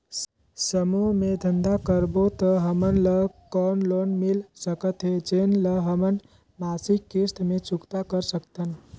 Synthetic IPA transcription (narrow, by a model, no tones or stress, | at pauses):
səmuɦmed̪ʱənd̪akəɾbot̪əɦəmənləkɔnlonmilsəkət̪ɦed͡ʒenləɦəmən | masikːist̪met͡ʃukt̪akəɾsəkt̪ən